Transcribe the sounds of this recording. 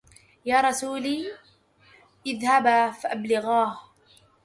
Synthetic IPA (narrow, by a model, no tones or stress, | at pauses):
jaːɾˤɑsuːliː | ʔɪðhabaːfaʔablɪɣɑːh